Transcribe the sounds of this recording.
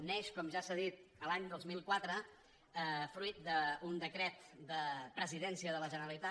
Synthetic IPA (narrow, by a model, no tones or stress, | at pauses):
nɛʃkɔmʒasaðit̪əlaɲd̪olˠzmilˠkwat̪ɾə | əfɾuit̪̚d̪əund̪əkɾɛt̪d̪əpɾəziðɛnsiəðələʒənəəlit̪a